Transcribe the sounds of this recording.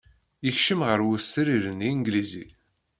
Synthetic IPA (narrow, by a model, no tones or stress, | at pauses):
jəçʃəmʁəɾwusɾiɾəniŋɡlizḭ